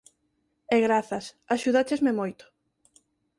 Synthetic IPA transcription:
ɛɣɾaθɐs | aʃuðat͡ʃezmemojt̪ʊ̥

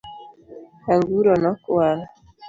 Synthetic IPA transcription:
aŋɡuɾɔnɔkuaɾa

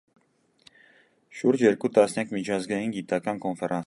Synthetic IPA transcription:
ʃuɾd͡ʒjɛɾkut̪ɑsnjɑkmit͡ʃʰɑzɡɑjinɡit̪ɑkɑnkonfɛɾʔɑn

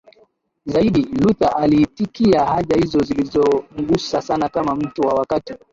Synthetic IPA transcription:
zaiɗilutaʔalitikiahaʄahizɔzilizɔŋ̩ɠusasanakamam̩tuwawakati

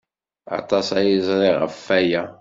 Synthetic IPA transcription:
ɑ̰t̪ˤɑsæjizˤɾiʁə̰fːæjæ

